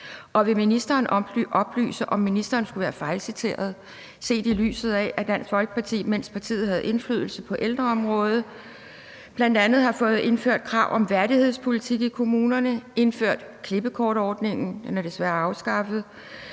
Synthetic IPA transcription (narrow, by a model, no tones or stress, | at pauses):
ʔɒ̽ʋe̝minisd̥ɐːnʔʔɒ̽b̥ly̰ːsəʔɒ̽mːinisd̥ɐːnsɡ̥uʋæːɐfɑ̈ɪlsit͡sʰe̝̰ːɐð̞̩ˠ | se̝̰ːd̥ily̰ːsð̞̩ˠɛʔæd̥æn̰sfɒ̽lɡ̥ə̥pʰɑ̈t͡sʰḭːmen̰spʰɑ̈t͡sʰḭːð̞̩ˠhæð̞̩ˠʔe̝nflyðˠl̩səpʰɒ̽ʔeld̥ʁɐɒ̽mʁɔ̽ːð̞ˠ | b̥læn̰d̥ænð̞̩ˠhɑ̈fɔ̽ːð̞̩ˠe̝nføɐ̰d̥̚kʰʁɑ̈ʊ̰ʔɒ̽mʋæɐɾihe̝ð̞̰ˠspʰo̝lit͡sʰiɡ̥ikʰo̝muːnɐnəe̝nføɐ̰d̥ | kʰle̝b̥əkʰɒːɾ̥ɒːd̥ne̝ŋn̩enæd̥e̝sʋæːɐɑ̈ʊsɡ̥ɑ̈fəð̩ˠ